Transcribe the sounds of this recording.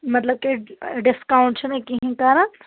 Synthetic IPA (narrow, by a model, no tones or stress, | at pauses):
mɐt̪ləb̚kiɖɪskaũɳʈt͡ʃʰenɐkiɦĩkaːɾən